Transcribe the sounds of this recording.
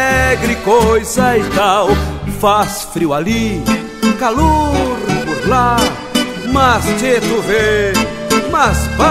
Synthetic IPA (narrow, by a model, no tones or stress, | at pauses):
ɡɾikojzɐit̪awfasfɾiwali | kaloɾpoɾla | mɐst͡ʃ̪et̪ʊve | mɐspa